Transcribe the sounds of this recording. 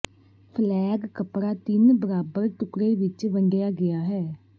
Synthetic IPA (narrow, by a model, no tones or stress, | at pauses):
pʰlɛːɡkəpɽaːt̪ɪnbəɾaːbəɾʈ̪ʊkɽeːʋɪt͡ʃʋəɳɖɪjaːɡɪjaːɦɛː